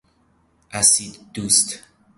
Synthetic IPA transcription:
ʔæsid̪d̪̥ust̪

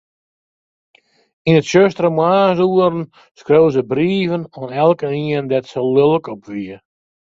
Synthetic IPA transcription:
inətʃøstrəmwaːsuəɾən | skrøwzəbriːvənoənɛlˠkəniəndɛtsəlølˠəkɔpʰʋiə

